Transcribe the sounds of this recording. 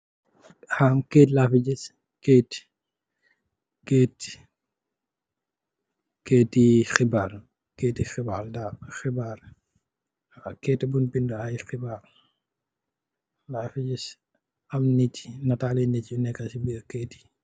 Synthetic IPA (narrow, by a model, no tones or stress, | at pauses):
hamkeːtlafiɟis | keːt | keːt | keːtːixibaːr | keːtːixibaldaxibaːɾ | kɛːtːɐbunpinduajxibaːɾ | laːfiɟis | ɐmnitnɐtaːlɛnɛcunɛkːɐsibiɾkɛːti̥